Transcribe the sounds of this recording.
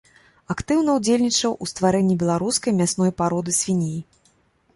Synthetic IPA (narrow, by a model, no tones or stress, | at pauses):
akt̪ɨwnɐwd͡zʲelʲnʲit͡ʂɐwʔust̪vaɾɛnʲːibʲɛlˠaɾuskɐjmʲasnɔjpaɾɔd̪ɨsʲfʲinʲiji